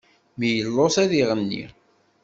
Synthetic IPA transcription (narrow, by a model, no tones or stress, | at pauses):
mijəlːosæðiʁənːḭ